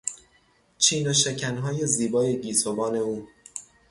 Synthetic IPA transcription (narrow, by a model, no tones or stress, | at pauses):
t͡ʃʰiːnoʃ̬ecʰænɦɒːje̞ziːbɒːje̞ɟiːsobɒːne̞uː